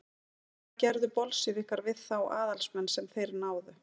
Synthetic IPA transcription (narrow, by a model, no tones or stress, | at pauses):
cɛɾðʏpɔlsɪvɪhkaɾvɪðθawa̰ːðalsmɛnːsɛmθejɾnaːwðʏ